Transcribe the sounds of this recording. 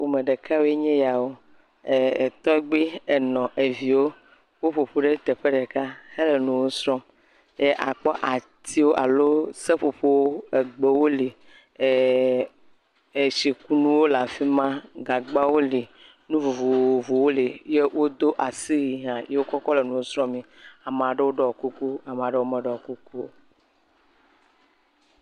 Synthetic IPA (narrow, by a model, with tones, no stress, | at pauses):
wo˨me˨ɖe˨ka˦wo˦e˦ɲẽ˦ja˨wo˦ | e˨e˨t̪ɔ˦ɛ˦ɡ͡be˦e˨nɔ̃˨ʔe˨vi˨wo˦ | wo˦ɸo˨ɸo˦ɖe˦t̪e˨ɸe˦ɖe˨ka˦he˦le˨nũ˨wo˦sɾɔ̃˦m | je˦ʔa̰˨k͡pɔ˦ʔa˨ | t̪i˦wo˦ʔa˨lo˦se˦ɸo˨ɸo˦wo˦e˨ɡ͡be˨wo˦li˨ | e˨ʃi˨ku˦nũ˦wo˦la˨fi˦mã˦ɡa˨ɡ͡ba˦wo˦li˨ | nũ˦vu˨vu˨vu˨wo˦li˨je˦wʔo˦d̪o˦ʔa˨si˦ɣi˨ɦã˨je˦wo˦kɔ˦kɔ˦le˨nũ˨wo˦sɾɔ̃˦mĩ˨a˨m˨a˨ɖe˦wo˦ɖɔ˦˨ku˦ku˦a˨m˨ã˨ɖe˦wo˦mɛ˨ɖɔ˨ɔ˨ku˦ku˦